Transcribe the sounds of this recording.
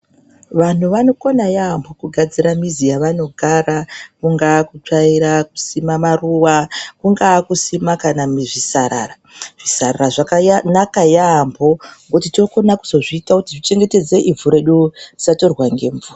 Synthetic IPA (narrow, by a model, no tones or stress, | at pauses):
ʋan̤uʋano̞ko̞najaːmbʰʱo̞kuɡʱad͡ziɾamizijaʋano̞ɡʱaɾakuŋɡakut͡ʂaiɾak̚u̥simamaruwakuŋɡakusimakanamiʐisaɾa̰ra | ʐ̥isararaʐakanakajaːmbʰʱo̞ŋɡot̬itoko̞naku̥zo̞ʐiːtakutiʐit͡ʃe̞ŋɡe̞te̞d͡ze̞ʔivuɾe̞ɗudisato̞rwaŋɡe̞ɱvura